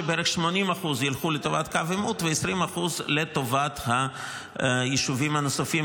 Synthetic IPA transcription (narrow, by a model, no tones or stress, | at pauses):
ebeeɾeχʃmo̞nimaχuzjilχulet̪o̞vat̪kavemut̪veesʁimaχuzlet̪o̞vat̪ha | jiʃuvimhanosafim